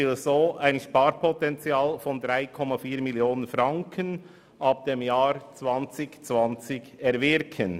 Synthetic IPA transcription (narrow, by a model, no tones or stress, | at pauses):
ɪlzoːʔaɪnʃpaːɾpʰɔtɛnt͡siaːlfɔndɾaɪkʰɔmɑfiːmiljoːnənfraŋkʰən | ʔɑp̚d̥emjaːɾt͡svɑnt͡sɪçt͡svɑnt͡sɪçɛɾvɪɾkʰən